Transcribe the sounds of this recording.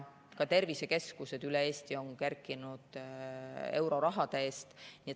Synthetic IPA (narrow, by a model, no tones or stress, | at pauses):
kɑt̪e̞rvise̞ke̞skuse̞d̪̥ylee̞ːst̪io̞ŋkærkˑːinud̪̥ | e̞wɾo̞ɾɑɦɑd̪ee̞ːst̪niet̪